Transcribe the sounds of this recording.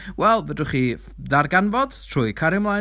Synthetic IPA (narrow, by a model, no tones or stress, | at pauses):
wɛlˠvədʊχi | darɡanvɔd̥tʰr̥ʊːikʰaɾɪmlˠa